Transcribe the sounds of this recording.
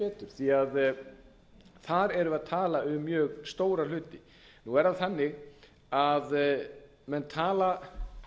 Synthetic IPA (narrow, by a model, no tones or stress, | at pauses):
ɛːt̪ʏɾ̥θiað | θaɾɛɾʏaðt̪ʰaːlaʏmːjœːɣst̪oːwɾal̥ʏːt̪ɪ | nuɛɾaðθanːɪɣ | að | mɛnt̪ʰaːla